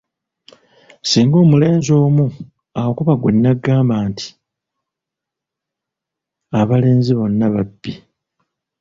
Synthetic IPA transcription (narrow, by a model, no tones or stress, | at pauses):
siːŋɡo̞ːmule̞ːnzo̞ːmu | awokuβaɡwe̞nːaɡːaːmbaːntʰi̥ | aβale̞ːnziβo̞nːaβabːi